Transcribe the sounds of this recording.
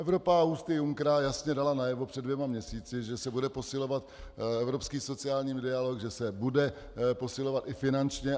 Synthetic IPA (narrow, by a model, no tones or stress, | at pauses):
ʔɛvɾo̞paust̪ɪjuŋkɾajasɲɛdalanajɛvopr̥ɛdvjɛmamɲɛsiːt͡sɪʒɛsɛbudɛpo̞sɪlo̞vat̪̚ɛvɾo̞pskiːso̞t͡sɪaːlɲiːmdɪalo̞kʒɛsɛbudɛ | po̞sɪlo̞vat̪ɪfɪnant͡ʃɲɛ